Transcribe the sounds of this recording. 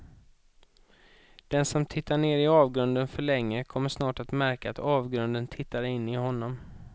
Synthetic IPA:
d̪̥ɛnsɔmt̪ʰɪt̪ʰːaɳeːɾɪɑːvɡɾɵnd̪ənfœɭɛŋːəkʰɔmːəʂnɑːʈat̪mæɾkaat̪ɑːvɡɾɵnd̪ənt̪ʰɪt̪ːaɾɪnːɪɦɔnːɔm

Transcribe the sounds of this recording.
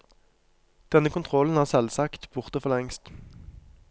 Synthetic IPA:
d̪̥ɛnəkʰʊnt̪ʰʁɔln̩hæːʁsɛlsɑkt̪b̥ʊʁt̪əfɔlɛŋst̪

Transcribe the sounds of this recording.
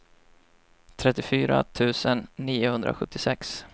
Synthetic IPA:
t̪ʰɾɛt̪ːɪfyːɾa̰t̪ʰʉ̟ːsənːiːʊhɵnd̪ɾa̰ɧɵt̪ːɪsɛks

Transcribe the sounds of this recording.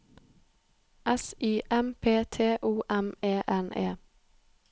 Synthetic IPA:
ʔɛsiːʔɛmpʰeːt̪ʰeːʔuːʔɛmeːʔɛnḛː

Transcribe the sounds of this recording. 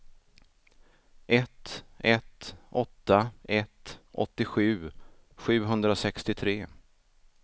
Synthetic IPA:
ʔɛt̪ɛt̪ʔɔt̪ːaɛt̪ʔɔ̰t̪ːɪɧʉ̟ː | ɧʉ̟ːɦɵnd̪ɾasɛkst̪ɪt̪ʰɾeː

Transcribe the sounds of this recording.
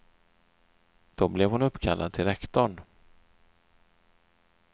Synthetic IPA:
d̪̥ɔblɛvhʊnɵpːkʰalːa̰d̪̚t̪ʰɪlɾɛkt̪ɔɳ

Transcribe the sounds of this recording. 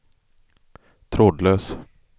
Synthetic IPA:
t̪ʰɾoːd̪løːs

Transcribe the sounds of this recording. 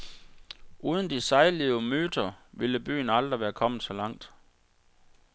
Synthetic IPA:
ʔuːð̞ˠən̩d̥isɑ̈ɪliʊmøːd̥ɐʋiləb̥y̰ːn̩ɑ̈ld̥ʁiʋæːɐkʰɒ̽m̰əð̩sɒ̽lɑ̈ŋ̰d̥

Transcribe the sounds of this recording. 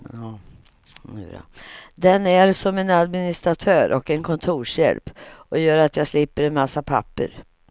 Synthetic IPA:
ɑː | ʉ̰ɾa̰d̪ɛnæɾsɔmɛnad̪mɪnɪst̪ɾat̪ʰœːɾʔɔ̰kɛnkʰɔnt̪ʰuːʂjɛ̰lpʔɔjœːɾat̪ʰjɑːslɪpːəɾɛnmasːapʰa̰pːə̰ɾ

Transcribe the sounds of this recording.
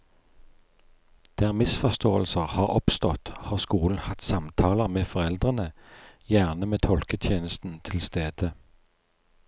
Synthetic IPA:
d̪̥æːʁmɪsfɔst̪oːəlsəʁhɑːʁɔpst̪ɔt̪hɑːʁskuːln̩hɑt̪sɑmt̪ʰɑːləʁmeːfɔʁɛld̪ʁənəjæːʁnəmeːt̪ʰɔlkət̪ʰjeːnəst̪n̩t̪ʰɪlst̪eːd̪̥ə

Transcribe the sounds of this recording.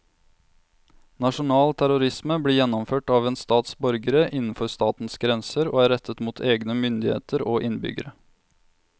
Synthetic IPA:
nɑʂʊnɑːlt̪ʰæɾʊɾɪsməbliːjɛnɔmføːʈɑːʋeːnst̪ɑːt̪sbɔɾɡəɾəʔɪnn̩fɔɾst̪ɑːt̪n̩sɡɾɛnsəɾo̰ːæːɾɛt̪ʰət̪muːt̪ʰeːɡnəmʏnd̪ɪhḛːt̪əɾoːʔɪnbʏ̰ɡə̰ɾə

